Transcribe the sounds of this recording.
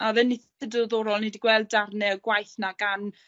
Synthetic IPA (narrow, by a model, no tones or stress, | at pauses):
aðɛnːi | ədəðɔːɾɔlˠnɛdiɡwɛlˠdarnɛəɡwajθnaɡan